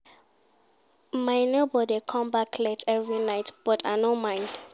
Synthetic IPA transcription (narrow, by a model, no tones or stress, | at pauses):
majnobɔdikʰɔ̃mbakʰlɛtʰɛvɹinaɪtb̥ɔtʰanomãɪ̃nd̥